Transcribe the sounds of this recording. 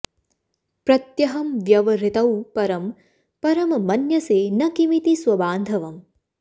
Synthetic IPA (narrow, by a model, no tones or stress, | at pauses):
pɾɐt̪jɐɦɐmʋjɐʋɐɾit̪ɐwpɐɾɐm | pɐɾɐmɐmɐnjɐseːnɐkimit̪iswɐbaːnd̪ʱɐʋɐm